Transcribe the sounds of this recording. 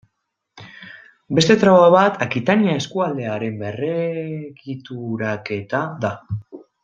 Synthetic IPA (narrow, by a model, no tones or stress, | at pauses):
be̞st̪e̞t̪ɾaβaβat̪akit̪aniae̞skuald̪e̞aɾe̞mbe̞re̞ɣit̪uɾake̞t̪aða